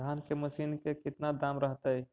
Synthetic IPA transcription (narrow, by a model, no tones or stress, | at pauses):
ankeməsinkekit̪nad̪amɾəɦt̪əj